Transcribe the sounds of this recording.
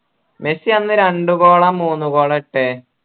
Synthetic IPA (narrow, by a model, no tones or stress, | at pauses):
mesiɐnːɨɾeɳɖuko̞ːɭɐmːuːnːuko̞ːɭɐiʈːe